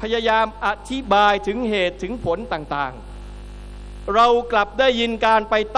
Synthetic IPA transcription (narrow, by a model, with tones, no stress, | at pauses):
pʰa˧ja˧jaː˧mʔa˨t̪ʰi˦˥baː˧jt̪ʰɯ˩˦ŋɦeː˨˩t̪ʰːɯ˩˦ŋpʰo˩˦nt̪aː˨˩ŋt̪aː˨˩ŋ | ɾa˧wkla˨˩p̚daː˥˩jːi˧nkaː˧npa˧jt̪